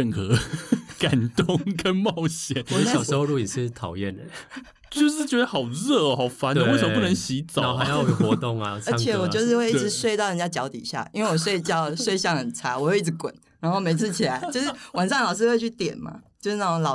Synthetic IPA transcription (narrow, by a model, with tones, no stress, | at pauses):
ə˥˩nxə˧˦ka˨˩nt̪o˥˨ŋkə˦˥nmɑ˥˧ʊɕjɛ˨˩˦n˧˥˩j̩˨˩˧o˥˧lu˥˧˩ni˨˩ʂɻ̩˥˩t̪ʰɑ˨˩ʊjɛ˥˩nd̪ə˨˩ | t͡ɕjo˥˧ʊʂɻ̩˥˩t͡ɕɥɛ˧˥d̪ə˧˦xɑ˨˩ʊɻə˥˨hɑ˨˩ʊfa˧˦n˨we˥˩ə˨˧pu˥nə˧˦ŋɕi˧˥t͡sɑ˨˥˦a˧˦jɑ˥˩jo˨˩xwɔ˧˦t̪ʊ˥˨ŋa˨ə˧˥˧t͡ɕʰjɛ˨wɔ˨˩t͡ɕo˥˧ʊʂ̬ɻ̩˥˧we˥˧ɪi˥˩˨swe˥˧ɪt̪ɑ˥˩ʊə˨nt͡ɕja˥˧t͡ɕjɑ˧˥ʊt̪ḭ˨˩ɕja̰˥˩ʔi˥nwe˥˩wɔ˨˩s̬we˥˧ɪt͡ɕjɑ˥˧ʊswe˥˧ɪɕ̬jɑ˥˩ŋxə˨˩nt͡sʰa˧˥wɔ˨˩we˥ɪi˥˩t͡s̬̩˧˩˦kwə̰˨˩˦n | ɻa˧˥nxo˥˩ʊme˧˥ɪt͡s̩ʰ˥˧t͡ɕʰi˨˩la˧˦ɪt͡ɕjo˥˧ʂ̩˥˩˥wa˨˩nʂɑ˥˩ŋlɑ˨˩ʊʂ̬̩˥˧xwe˥˧ɪt͡ɕʰy˥˩t̪jɛ˨˩nma̰˦t͡ɕjo˥˧˥a˥˩˧lɑ˨˩